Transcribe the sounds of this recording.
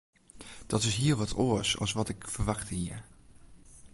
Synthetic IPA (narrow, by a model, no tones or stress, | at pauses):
d̥ɑtɪsɦiːɹʋɑtʰoːsɑ̰lˠsʋɑtɪkfəɹʋɑχtəɦiːɹ